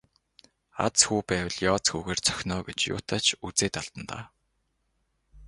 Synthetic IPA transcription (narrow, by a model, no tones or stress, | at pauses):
a̰t͡sxuːpæːwə̆ɮjɔːt͡sxuːɣeːrt͡sʰœ̥xʲnɔːɡet͡ɕjʊ̰ːt̪ʰaːt͡ɕʰut͡seːt̪aɮt̪ə̆nt̪a̰ː